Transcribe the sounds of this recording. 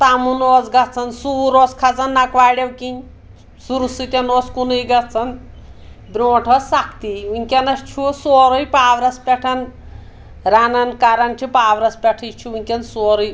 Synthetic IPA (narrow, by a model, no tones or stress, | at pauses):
t̪amunoːd͡zɡɐt͡sʰɐnsuːɾoːskʰɐt͡sɐnːɐkʋaːɽewkinʲ | suɾusɨt̪ʲɐnoːt͡skunujɡɐt͡sʰɐn | bɾoːʈʰosɐkt̪iunʲkʲɐnɐst͡ʃʰusoːɾojpaːʋɾɐspʲɛʈʰɐn | ɾanɐnkaɾɐnt͡ʃʰipaːʋɾɐspʲɐʈʰit͡ʃʰuunʲkʲɐnsoːɾuj